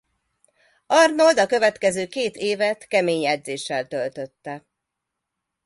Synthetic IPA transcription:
ɒrnold̪ɒkø̞vɛt̪kɛzøːkeːt̪eːvɛt̪kɛmeːɲjɛd̪zeːʃːɛlt̪ølt̪ø̞t̪ːɛ

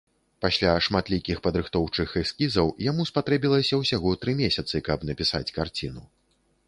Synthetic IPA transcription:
pasʲlʲaʂmat̪lʲikʲixpɐd̪ɾɨxt̪ɔwt͡ʂɨxɛsʲkʲizɐwjamuspat̪ɾɛbʲilˠɐsʲɐwsʲaɣɔt̪ɾɨmʲesʲɐt̪sɨkɐpnɐpʲisat͡sʲkart͡sʲinu

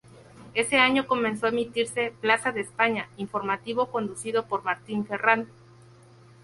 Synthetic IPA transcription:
e̞se̞aɲo̞ko̞mẽnsoemit̪iɾse̞plasaðeːspaɲaiɱfo̞ɾmat̪iβo̞ko̞nd̪usiðo̞po̞ɾmaɾt̪iɱfe̞rand̪o

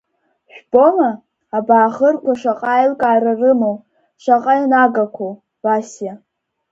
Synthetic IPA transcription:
ʃᶣb̥omaː | baːχərkʷʰaʂaqʼaːjlkʼaːrarɨmow | ʃʷaqʼajnaɡakʷʰow | b̥asja

